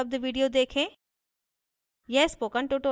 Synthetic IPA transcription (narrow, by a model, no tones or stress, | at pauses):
ɐb̚d̪ʋiːɖijod̪eːkʰẽː | jɛspoːkəɳʈoʈo